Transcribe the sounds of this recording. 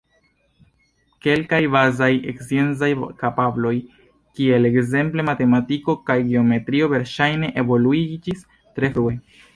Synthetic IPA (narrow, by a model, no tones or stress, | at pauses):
ke̞lkajbazajḛksienzajkapablo̞j | kie̞le̞kze̞mple̞mate̞matiko̞kajɡeo̞me̞tɾio̞ve̞ɾʃajne̞ʔevo̞luid͡ʒis | tɾe̞fɾue̞